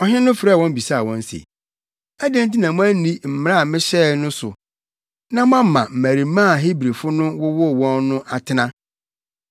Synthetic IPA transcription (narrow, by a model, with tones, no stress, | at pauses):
ɔ˨ɦɪ̃˦nʊ̃˦fɾwɔ̃˦m̩˦bi˨sa˦˨wɔ̃˦n˦sḛ˨ | æ˦dẽ˦n˦t̬i˦nã˨mʊ̃˦æ˦nĩ˦m̩˨m˦ɾa˦˨mɪ̃˦ɕɛː˦nʊ̃˦sʊ˨ | nã˦mʊ˦ã˦m˦mã̰˨m̩˨mæ˨ɾi˨m̩˦mã˦˨ɦi˦bɾe˨fʊ˦nʊ̃˦wʊ˦wɔ˦˨wɔ̃˦nːʊ̃˦ʔa˨tʰɪ˦nã˦